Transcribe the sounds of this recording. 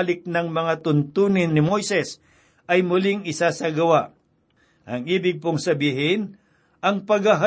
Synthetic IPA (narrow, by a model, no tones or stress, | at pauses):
lɪk̚nɐŋmɐŋat̪ʊnt̪uːnɪnːɪmo̞jsɛs | ʔɐjmʊlɪŋɪsasɐɡɐwaʔ | ʔɐŋiːbɪɡ̚pʊŋsɐbiːɦɪn | ʔɐŋpɐɡɐɦa